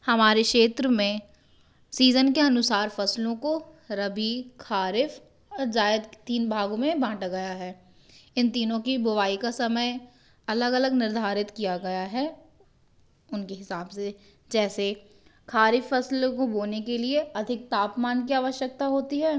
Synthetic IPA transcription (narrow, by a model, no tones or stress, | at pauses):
hɐmaːɾekʃeːt̪ɾəmẽ | siːzənkeɐnʊsaːɾfɐslõkoɾɐbʱikʰaːɾɪf | ɔd͡ʒaːɪd̪t̪iːnbʱaːɡõmẽbãːʈaɡɐjaɦɛː | ɪnt̪iːnõkibʊʋaːikasɐməj | ɐləɡɐləɡnɪɾd̪ʱaːɾɪt̪kijaɡɐjaɦɛː | ʊnkeɦɪsaːbse | d͡ʒɛːse | kʰaːɾɪfːɐslkoboːnekelieɐd̪ʱɪk̚t̪aːpmaːnkiaːʋəʃjək̚t̪aɦoːt̪iɦɛː